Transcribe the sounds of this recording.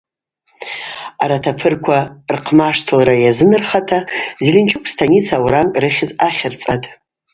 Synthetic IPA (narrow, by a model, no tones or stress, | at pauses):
aɾatʰafʰɨrkʷʰarqʰmaʂtʰɨlɾajazɨnɨrχatʰazilʲɪnt͡ʃʰʼɪkʷʼstʰanit͡sʰawɾamkʼrɨχʲɪzaχʲɪrt͡sʼatʼ